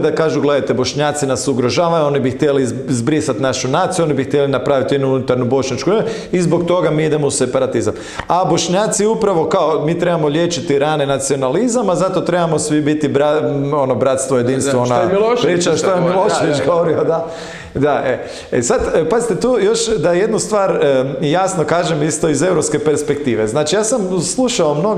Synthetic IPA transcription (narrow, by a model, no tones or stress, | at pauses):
d̪akaːʒuɡle̞d̪ajt̪e̞bo̞ʃɲaːt̪sinasuɡɾo̞ʒaːʋajuo̞nibixt̪jeli | zbɾisat̪naʃunat̪sijuo̞nibixt̪jelinapɾaʋit̪jed̪nuunut̪aɾnubo̞ʃɲat͡ʃkue | izbo̞k̚t̪o̞ɡamiːid̪e̞mouse̞paɾat̪izam | abo̞ʃɲaːt̪siupɾaʋo̞kaomiːt̪ɾe̞bamo̞ʎʲjeːt͡ʃit̪iɾanenat̪sio̞nalizamazat̪ot̪ɾebamo̞sʋibit̪ibɾao̞nobɾat̪st̪ʋojed̪inst̪ʋoonalʃpɾiːt͡ʃaʃt̪ojemilˠoʃejoɡoʋoɾiod̪a | d̪aʔe | esad̪pazit̪et̪uːjo̞ʃd̪aje̞d̪nust̪ʋaːɾjasno̞kaːʒemist̪o̞ize̞wɾopske̞pe̞ɾspe̞k̚t̪iːʋe̞znaːt͡ʃijaːsamslˠuʃaomnoɡ